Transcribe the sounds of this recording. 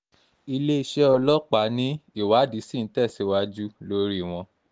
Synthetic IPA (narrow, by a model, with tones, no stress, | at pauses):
i˧le˦i˧ʃɛ˦ɔ˧lɔ˦k͡pa˨˦nĩ˦i˦˨wa˨˦di˨˦sĩ˦˨n̩˦tɛ˦˨si˨˦wa˧d͡ʒu˦lo˦ɾi˦˨w̃ɔ̃˧